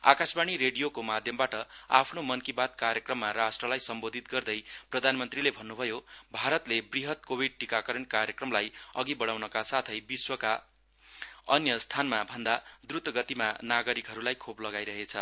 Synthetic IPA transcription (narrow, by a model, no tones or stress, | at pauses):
a̰kasbaɽ̃iɾeɽijokomad̪ʱjʌmbaʈʌa̰pʰnomʌnkibat̪̚karjʌkrʌmːaɾasʈrʌlajsʌmbod̪ʱit̪ɡʌrd̪ʌjprʌd̪ʱanmʌnt̪rilebʱʌnːubʱʌjobʱaɾʌt̪lebriɦʌt̪̚kobʱiɖ̚ʈikakʌɾʌnkarjʌkrʌmlajʌɡibʌɽawnʌkasat̪ʰʌjbiswʌka | ʌnjʌst̪ʰanmabʱʌnd̪ad̪ɾut̪ʌɡʌt̪imanaɡʌɾikɦʌɾulajkʰoplʌɡajɾʌɦet͡sʰʌ